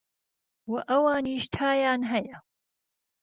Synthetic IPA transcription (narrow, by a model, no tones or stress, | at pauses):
wɐʔɐwaːniːʃt̪ʰaːjaːnɦɐjɐ